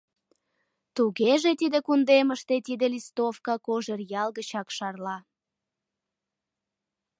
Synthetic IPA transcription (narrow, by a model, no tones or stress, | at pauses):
t̪uɣeʒet̪id̪ekund̪eməʃt̪et̪id̪elist̪ofkɑkoʒerjɑlɣət͡ɕɑkʃɑrlɑ